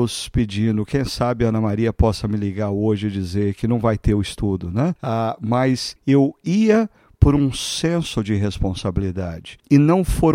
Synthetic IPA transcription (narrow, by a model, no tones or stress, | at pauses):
ʊspɪd͡ʒĩnd̪ʊkʰẽj̃sabɪɐ̃nɐmaɾiɐpɔsɐmɪliɡaɾoʒɪd͡ʒizeɾkɪnɐ̃w̃vajt̪eɾʊɪst̪ud̪ʊnɛ̃amɐsewiɐ | poɾũsẽsʊd͡ʒɪɦespõsabilid̪ad͡ʒɪɪnɐ̃w̃foɾ